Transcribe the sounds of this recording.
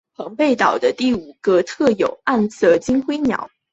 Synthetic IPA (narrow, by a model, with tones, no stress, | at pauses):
pɑ˧˥ŋpe˥˩ɪt̪ɑ˨˩ʊd̪ə˦t̪i˥˩u˨˩ɡə˦t̪ʰɤ˥˩jo˨˩ʊa˥˩nt͡sɤ˥˩t͡ɕi˥ŋxwe˥ɪnjɑ̰˧˥ʊ